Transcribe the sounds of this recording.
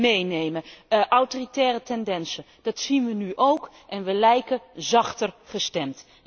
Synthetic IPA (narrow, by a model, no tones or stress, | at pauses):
mejnejməʔawtoːritɛːrətɛndɛnsə | d̥ɑtsinʋənyʔowk | ʔɛnʋəlɛjkəzɑχtərχəstɛmt